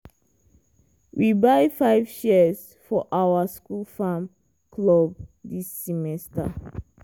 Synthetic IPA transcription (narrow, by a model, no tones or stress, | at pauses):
wʔibajfaɪvʃiəz | fɔʔawəskulfãm | kʰlɔb̚disːɛmɛstə̰